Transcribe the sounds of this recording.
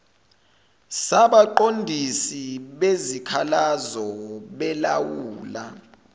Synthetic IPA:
saɓaǃondʱisiɓezikʰalazɔɓɛlawuːla

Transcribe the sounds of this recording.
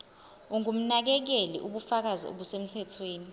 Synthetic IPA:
uŋum̩nak̬ɛk̬elḭʔuɓufak̬azio̰ɓusem̩tʰɛtʰweːni

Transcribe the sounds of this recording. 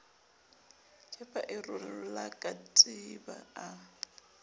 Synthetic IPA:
t͡ʃʰʼɛpʼaʔɪrʊlakʼatʼiba̰a

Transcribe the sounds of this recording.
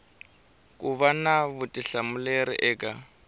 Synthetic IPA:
kʼuβanaβutʼiɬamuleɾḭʔɛːkʼa

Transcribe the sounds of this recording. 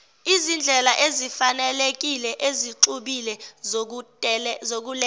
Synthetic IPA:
izind͡ɮʱɛlaʔezifanɛlek̬ilɛʔeziǀuɓilɛ | zok̬ulɛ

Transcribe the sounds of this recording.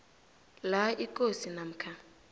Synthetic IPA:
laikʼosinam̩kʰa

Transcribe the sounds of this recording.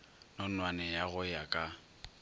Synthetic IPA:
nɔnwanɛjaɣʊjakʼa

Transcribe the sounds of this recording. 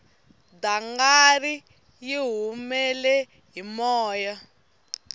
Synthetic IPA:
d̪aŋɡaɾi | jiɦumɛlɛ | ɦimɔːja

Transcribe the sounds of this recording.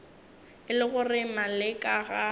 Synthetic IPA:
ɪlɪɣʊrɪmalɪkʼaɣa

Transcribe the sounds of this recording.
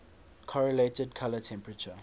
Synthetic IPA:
kʰɔɹɔletɛd̚kʰalətʰɛ̃mpɹət͡ʃə

